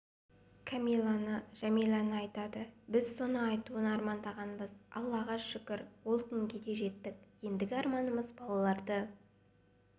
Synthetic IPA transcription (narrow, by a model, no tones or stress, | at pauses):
kʰamʲilˠanəʒ̥æmijlˠanəɑjt̪ɑd̪əbɪzso̞nəɑjt̪uənɑɾmɑnd̪ɑʁɑnbəzɑ̰lˠːɑʁɑʃʏkʲɪɾwo̞lˠt̪ɪŋɡʲed̪e̞ʒe̞t̪ːɪk̚je̞nd̪ɪɡʲɪɑɾmɑnəməzbɑlˠɑlˠɑɾd̪ə